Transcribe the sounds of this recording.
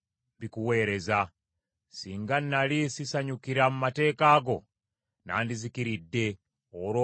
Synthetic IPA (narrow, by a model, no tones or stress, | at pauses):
bikuwe̞ːɾe̞za | siːŋɡannalisisaɲukiɾamumate̞ːkaːɡo̞ | na̰ːndizikiɾidːe̞ | oɾo